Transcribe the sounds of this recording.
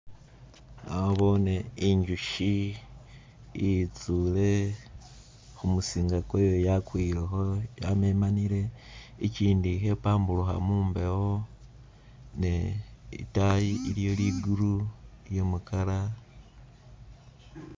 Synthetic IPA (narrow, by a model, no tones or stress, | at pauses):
aoβo̞ːne̞iɲɟuʃi | it͡sule̞ | xumusiːŋɡakojojakwiɾexojamemaniɾe̞ | iciːndixe̞paːmbuluxa̰muːmbe̞wo | neḭtajiːljo̞liɡuɾujemukala